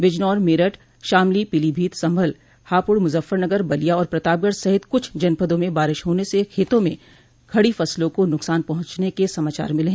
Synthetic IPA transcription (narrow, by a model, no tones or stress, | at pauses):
ʋɪd͡ʒnɔːɾmɪɾəʈ | ʃaːmlipɪlibʱiːt̪sɐ̃mbʱəl | haːpʊɽmʊzəfːəɾnɐɡəɾbɐlijaɔːɾpɾɐt̪aːp̚ɡəɽsɐɦɪt̪kʊt͡ʃʰd͡ʒɐnpəd̪õmẽbaːɾɪʃɦoːnesekʰeːt̪õmẽ | kʰɐɽifɐslõkonʊksaːnpɐɦʊ̃t͡ʃnekesɐmaːt͡ʃa̰ːɾmɪlɦɛ̃